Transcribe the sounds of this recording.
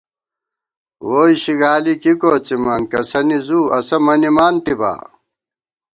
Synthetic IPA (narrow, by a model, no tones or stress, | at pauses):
woːjiɕiɡaːlikikoːt͡simɐnkɐsɐnizuːɐsɐmɐnimaːnt̪iba̰ː